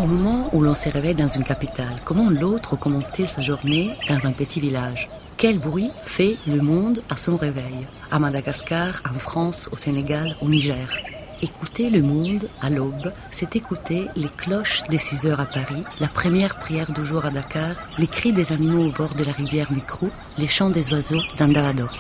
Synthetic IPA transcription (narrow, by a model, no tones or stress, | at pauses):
omɔmɑ̃ulɔ̃səʁevɛjd̪ɑ̃zynkapit̪alkɔmɑ̃lot̪χəkɔmɑ̃st̪ilsaʒuʁned̪ɑ̃zɛ̃pət̪ʰivilaʒ | kʲɛlbʁɥifɛləmɔ̃d̪asɔ̃ʁevɛj | amad̪aɡaskaʁɑ̃fχɑ̃soseneɡaloniʒɛːʁ | ekut̪eləmɔ̃d̪alɔb | sɛt̪ekut̪eleklɔʃd̪esizœʁapaʁilapχəmjɛʁpχijɛʁd̪yʒuʁad̪akaːʁ | lekχid̪ezanimoːbɔʁd̪əlaʁivjɛʁmikχo | leʃɑ̃d̪ezwazod̪ɛ̃d̪avad̪ɔ